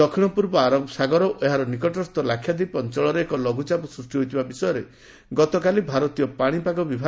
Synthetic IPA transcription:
ɔkʰiɽ̃ɔpuɾbɔaɾɔbsaɡɔɾɔʔeɦaɾɔnikɔʈɔɾɔst̪ɔlakʰjad̪ipɔnt͡ʃɔɭɔɾeekɔlɔɡut͡ʃapɔsɾusʈiɦojt̪ʰibabisɔjɔɾe | ɡɔt̪ɔkalibʱaɾɔt̪ijɔpaɽ̃ipaɡɔbibʱa

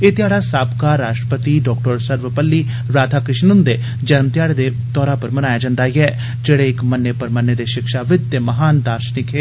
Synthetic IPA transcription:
eːt̪ɪjaːɽaːsaːbkaːɾːaːʃʈɾəpət̪iːɖɔːkʈəɾsəɾʋəpəlːiː | ɾaːd̪ʰʱaːkɪʃnʊnd̪eː | d͡ʒənmt̪ɪjaːɽeːd̪eː | t̪ɔːɾãːpəɾmənaːjaːd͡ʒãːnd̪aːiɛː | d͡ʒeːɽeːɪkmənːeːpəɾmənːeːd̪eːʃɪkʃaːʋɪd̪̚t̪eːməɦaːnd̪aːɾʃnɪkʰeː

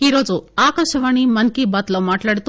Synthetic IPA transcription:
iɾoːd͡ʒuaːkɐʃɐʋaɳ̃imɐnkibat̪lɐmaːʈlaɽt̪u

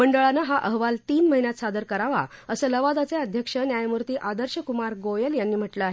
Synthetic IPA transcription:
məɳɖəɭanəɦaʔəɦʋalt̪iːnməɦinjat̪sad̪əɾkəɾaʋa̰əsəːləʋad̪at͡seəd̪ʱjəkʂənjajmuɾt̪iːʔad̪əɾɕəkumaɾɡojəljanːiːm̤əʈləaɦe

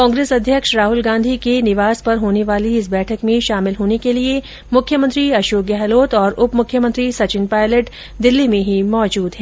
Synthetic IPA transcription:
kɔ̃ːŋɡɾeːsɐd̪ʱjəkʃɾaːɦʊlɡãːnd̪ʱikenɪʋaːspɐɾɦoːneʋaːliɪsbɛːʈʰəkmẽʃaːmɪlɦoːnekelie | mʊkʰːjəmə̃nt̪ɾiɐʃoːk̚ɛɦloːt̪ɔːɾʊpmʊkʰjəmə̃nt̪ɾisɐt͡ʃɪnpaːɪləʈ | d̪ɪlːimẽɦimɔːd͡ʒuːd̪ɦɛ̃ː

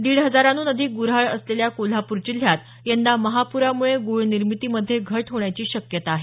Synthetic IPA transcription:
d̪iːɭɦəd͡zaɾanuːnəd̪ʱiːɡuɾɦaɭəsleljakol̤apuɾt͡ɕil̤jat̪ | jend̪aməɦapuɾamuɭeɡuɭniɾmit̪iːməd̪ʱːjeɡʱəʈɦoɳjat͡ɕiːɕəkjət̪aːɦe

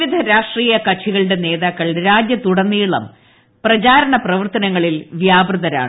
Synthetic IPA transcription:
iʋid̪ʱɐɾaːʂʈriːjɐkɐt͡ɕʰiɣɐɭɨɽe̞ne̞ːðaːkːɐɭɾaːd͡ʑjɐt̪uɽɐnːiːɭɐ̰m | prɐt͡ɕaːɾɐɳɐprɐʋɐrt̪ɐnɐŋːɐɭilʋjaːbrɨðɐɾa̰ːɳɨ

